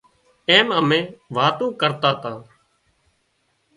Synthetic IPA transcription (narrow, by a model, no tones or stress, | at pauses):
eːməmẽːʋaːt̪ũːkəɾt̪aːt̪ãː